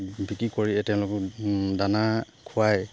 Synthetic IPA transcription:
bʱikikoɹiɛtɛʊ̃lʊkɔdana | kʰuaj

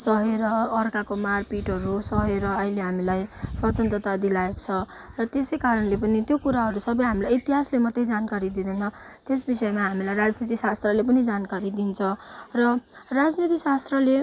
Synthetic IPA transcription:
sʌɦeɾʌːrkakomarpiʈʌɾusʌɦeɾʌʌileɦamilajswʌt̪ʌnt̪rʌt̪ad̪ilaekt͡sʰʌ | rʌt̪esejkaɾʌnlepʌnit̪jokuɾaɦʌɾusʌbʌjɦamilajit̪iɦaslemʌt̪ːejd͡zankaɾid̪id̪ʌnʌt̪es̬bisʌemaɦamilajɾad͡znit̪isast̪rʌlep̬ʌnid͡zankaɾid̪int͡sʰʌ̃rʌrad͡znit̪isast̪rʌle

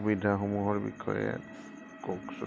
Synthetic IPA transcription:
bidʱaxomuɦɔɹbḭkʰːɔ̰jɛ̰ | koks

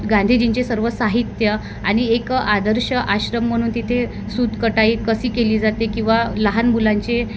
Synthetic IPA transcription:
ɡãnd̪ʱiːd͡ʑiɲt͡ɕesəɾʋəsaɦit̪jə | aɽ̃iekad̪əɾɕəʔaɕɾəm̤ːəɽ̃uːnt̪it̪ʰe | sud̪ʱkəʈaiːkəsiːkeliːd͡zat̪ekĩw̃ʋaləɦanmulaɲt͡ɕe

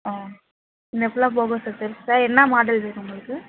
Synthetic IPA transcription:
aː | ɪnd̪ɐɛpːɐlãːp̬oːɣɐ̃sasɐɾsaːɾɛnːamaːɖɐlpeːɾʊŋɡɐɭɯkːɯ

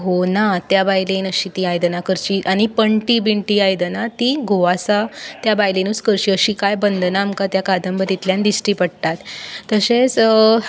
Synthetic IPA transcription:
ɦonat̪jabajlenəɕit̪iajd̪nakəɾt͡ɕiʔaɽ̃ipəɳʈibiɳʈiːajd̪ənat̪iɡʱoʋasat̪jabajlenuskəɾɕiːəɕikajbənd̪naːmkat̪jakad̪ʱəmbət̪it̪ljand̪isʈiːpəɽt̪at̪ːəɕet͡s

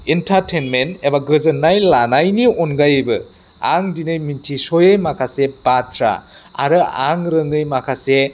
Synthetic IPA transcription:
intʰatʰenmentebaɡɯzɯnːajlanajnionɡajbɯ | a̰ŋdinɯjmintʰisojejmakʰasebatʰɾa̰a̰ɾɯa̰ŋɾɯŋɯjmakʰase

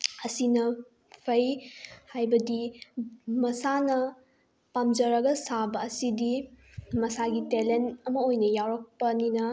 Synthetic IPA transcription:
ɐsinɐ | pʰɐjhajbɐdi | mɐsanɐ | pamd͡ʒɐɾɐɡɐsabɐːsidi | mɐsaɡitelentɐmɐojnɐjawɾɐk̚pɐninɐ

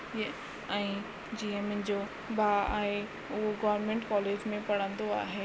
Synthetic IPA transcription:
j | ɛ̃i | d͡ʑiːə̃mɪ̃nd͡ʑoː | baːa̰ːɦe | ʊɦoɡɐːʋəɾmẽɳʈkɔːleːd͡ʑmẽpɐɽ̤ə̃nd̪oa̰ːɦeː

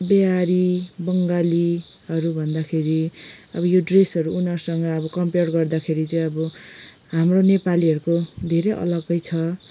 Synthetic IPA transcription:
beaɾibʌŋɡali | ɦʌɾubʱʌnd̪akʰeɾiʌbʌjoɖresʌɾuunʌrsʌŋɡʌːbʌkʌmperɡʌrd̪akʰeɾit͡sʌj̃ʌbʌ | ɦamronepaliʌɾukod̪ʱeɾʌʔʌ̰lʌɡʌjt͡sʰʌ

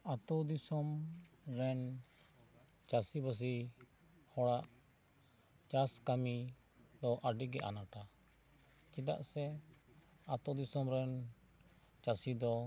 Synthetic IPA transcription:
at̪ɔd̪isɔm | ɾɛn | t͡ʃasibəs̬i | hɔɽaʔ | t͡ʃaskami | d̪ɔʔəɖiɡɛʔa̰naʈa | t͡ʃid̪a̰ʔsɛ | at̪ɔd̪isɔmɾɛn | t͡ʃasid̪ɔ

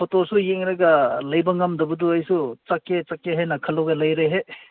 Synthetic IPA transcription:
pʰotosujeŋɾɐɡɐlɐjbɐŋɐmdɐbuduɐjsut͡ʃɐkːet͡ʃɐkːeɦɐjnɐkʰɐlɐwɡɐlɐjɾeɦe

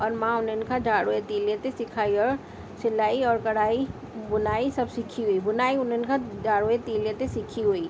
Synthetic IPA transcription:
ɔːɾmãʊnənkʰad͡ʒaːɽoet̪iːlet̪esɪkʰaːiɔːɾ | sɪlaːiɔːɾkɐɽaːi | bʊnaːisɐbsɪkʰiɦʊibʊnaːiʊnənkʰad͡ʒaːɽoet̪iːlet̪esɪkʰiɦuiː

